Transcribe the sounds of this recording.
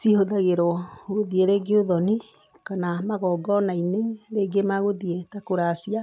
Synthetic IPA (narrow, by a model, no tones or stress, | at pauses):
sihoðaɣeɾɔɣoðieɾeːɡeoðɔni | kanamaɣɔːɡɔnaineɾeɡemaɣoðietakoɾasia